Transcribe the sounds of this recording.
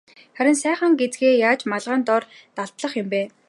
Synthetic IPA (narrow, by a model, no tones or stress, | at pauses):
χæɾʲɪ̆nsæːχə̆ŋɡet͡sɡeːjaːt͡ɕmaɮʁaːnt̪ɔr | t̪aɮt̪ɮə̆χjʊ̆mpeː